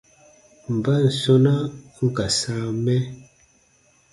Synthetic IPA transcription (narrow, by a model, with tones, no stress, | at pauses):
m̩˨ba˦n̩˨sɔ˦na˦ | ŋ̩˦˨ka˨sa˨˦mɛ˦